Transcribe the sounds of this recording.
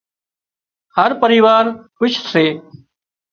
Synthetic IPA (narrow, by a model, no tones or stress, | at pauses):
həɾpəɾiːʋaːɾʋɪt͡ʃʰseː